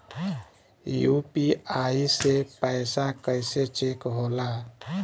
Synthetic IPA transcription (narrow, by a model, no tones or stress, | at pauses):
jupiaisepəɪsakəɪset͡ʃekɦola